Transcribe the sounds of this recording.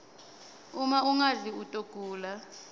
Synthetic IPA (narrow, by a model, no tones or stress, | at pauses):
umauŋaziutʼoɡ̥ʱʼuːla